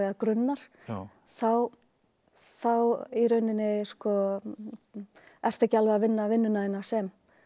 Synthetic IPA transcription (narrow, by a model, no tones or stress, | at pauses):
akɾʏnːaɾ̥ | θaw | θawiɾœɥnɪnɪskɔ | ɛr̥t̪ɛcalvaavɪnːavɪnːʏnaɪnːasɛm